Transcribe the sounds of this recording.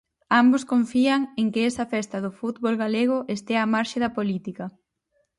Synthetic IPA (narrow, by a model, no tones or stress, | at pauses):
ambʊskoɱfiɐŋeŋkɪɛsɐfɛst̪ɐðʊfut̪βolɣaleɣ̞ʊʔest̪eamaɾʃɪðɐpolit̪ikɐ